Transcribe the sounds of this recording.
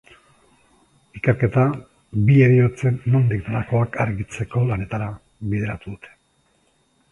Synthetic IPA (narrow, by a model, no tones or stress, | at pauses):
ikeɾke̞t̪a | bie̞ɾio̞t͡se̞nːo̞nd̪ik̚d̪elako̞akaɾɣit͡se̞ko̞lane̞t̪aɾa | βiðe̞ɾat̪uðut̪ʰe̥